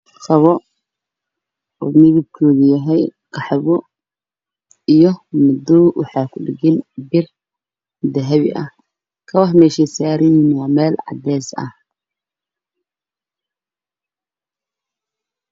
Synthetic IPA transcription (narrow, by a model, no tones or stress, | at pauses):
sɐβɔ | ɔ̰ːmɪðɪb̚kʰɔːɣɐjɐɦɛjqɑħɛβɔ | ijɔmʊd̪ɔːwɑħɑːkʰʊɖɪɣɪnbɪr | d̪ɐɦɐβɪ̰ʔɐ̰h | kʰɐwɑħmɛːʃɛsaːɾɪnɪnwɑːmɛːlʕɑ̰d̪ɛːsɐ̰h